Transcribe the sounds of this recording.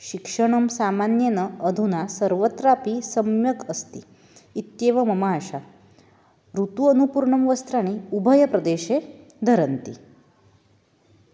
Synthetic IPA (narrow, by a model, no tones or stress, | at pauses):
ɕikʂəɳ̃əmsamanjenəəd̪ʱunasəɾʋət̪ɾapisəmjəkəst̪iː | t̪jeʋəmɐmaːʃa | ɾut̪uənupuɾɳəmʋəst̪ɾaɽ̃iubʱəjəpɾəd̪eɕe | d̪ʱəɾənt̪ḭ